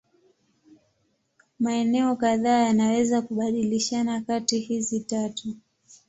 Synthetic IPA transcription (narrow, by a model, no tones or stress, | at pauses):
maɛnɛɔkaðaːjanawɛzakuɓaɗiliʃanakatihizitatu